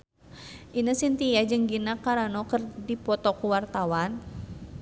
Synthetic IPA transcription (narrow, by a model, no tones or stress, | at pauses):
ʔinəsint̪ijad͡ʒɨŋɡinakaɾanɔkərdipɔt̪ɔkuwart̪awan